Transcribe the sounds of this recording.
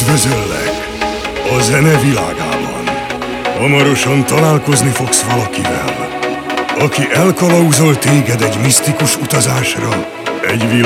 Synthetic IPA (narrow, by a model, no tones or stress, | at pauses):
ʋøzølːɛ̰k | ɒzɛnɛvila̰ːɡa̰ːbɒ̰n | hɒmɒɾo̞ʃɒnt̪ɒlaːlko̞znifo̞ksvɒlɒkivɛ̰l | ɒkiʔɛlkɒlɒuzo̞lt̪eːɡɛd̪ɛɟmist̪ikuʃut̪ɒzaːʃrɒ | ɛɟʋi